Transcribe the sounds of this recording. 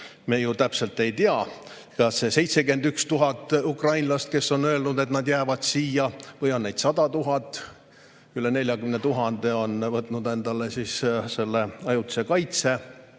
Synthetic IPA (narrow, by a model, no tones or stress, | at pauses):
mejut̪æpse̞lt̪ˑe̞jt̪iɑ | kɑsːe̞se̞jt̪se̞ɡe̞nd̪ykst̪uɦɑt̪ːˑukrɑjnlɑst̪̚ke̞sːo̞nø̞elnud̪et̪nɑd̪jæːvɑd̪̥siːjɑvɤjo̞nːejd̪̥sɑd̪̥ɑt̪uɦɑt̪ːˑ | kylːene̞lʲjɑkymnet̪uɦɑnd̪̥e̞o̞nvɤt̪ˑnud̪e̞nd̪̥ɑlesiːsse̞lːeɑjut̪ːse̞kɑjt̪se̞